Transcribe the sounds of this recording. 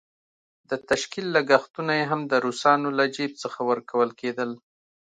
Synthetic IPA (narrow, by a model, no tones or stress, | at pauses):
d̪ət̪aʃkilːaɡaxt̪unajeɦamd̪əɾusɑnolad͡ʒib̚t͡səxawəɾkawəlked̪əl